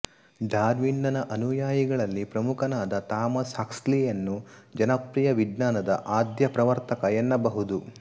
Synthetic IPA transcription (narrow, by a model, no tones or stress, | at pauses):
ɖaːɾʋiɳɖɐnɐʔɐnujaːjiɡɐɭɐlːipɾɐmukʰɐnaːd̪ɐt̪aːmɐsɐkslijɐnːud͡ʒɐnɐpɾijɐʋid̪naːnɐd̪ɐʔaːd̪jɐpɾɐʋɐɾt̪ɐkɐjɛnːɐbɐɦud̪u